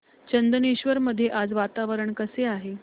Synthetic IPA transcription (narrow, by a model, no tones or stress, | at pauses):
t͡ɕənd̪əneɕʋəɾməd̪ʱːjeʔad͡zʋat̪aʋəɾəɳkəseaɦe